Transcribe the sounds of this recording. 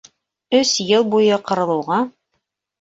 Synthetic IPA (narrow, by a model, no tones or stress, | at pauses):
ɵsjɤlˠbujɤqɤ̆ɾɤ̆lˠɤ̆wʁɑ